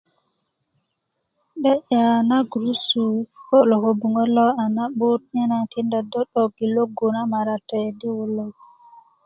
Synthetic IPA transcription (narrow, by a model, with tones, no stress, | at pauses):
ɗɛ˦ʔa˨na˦ɡɾu˦sukɔ˦lɔ˨hobu˨ŋɡɔ˦lːɔ˦a˨na˦ɓu˦tɲɛ˦na˨ti˦nda˨dɔ˦ɗɔɡi˨lo˦ɡu˨na˦maɾatɛdi˦wu˨lːɔ˦